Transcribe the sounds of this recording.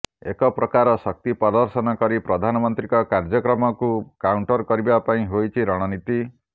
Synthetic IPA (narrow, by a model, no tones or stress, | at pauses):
ekɔpɾɔkaɾɔsɔk̚t̪ipɔd̪ɔɾsɔnɔkɔɾipɾɔd̪ʱanɔmɔnt̪ɾikɔkaɾd͡ʒɔkɾɔmɔkukawɳʈɔɾkɔɾibapaĩɦojt͡ʃʰiɾɔɽ̃ɔnit̪i